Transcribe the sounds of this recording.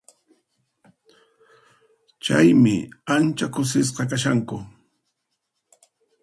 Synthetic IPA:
t͡ʃajmɪ̰ant͡ʃakʊsɪs̬qɑkaʃaŋkʊ

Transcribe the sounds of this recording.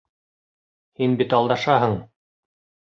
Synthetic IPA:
hinbit̪ɑlˠd̪ɑʃɑɦɤɴ

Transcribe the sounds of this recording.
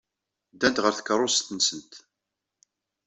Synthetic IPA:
d̪ænt̪ʁəɾθə̥kːəɾˤːost̪ənsənt̪

